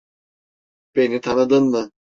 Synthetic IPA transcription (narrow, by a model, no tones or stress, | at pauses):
b̥enit̪ʰanɯd̪ɯnmɯ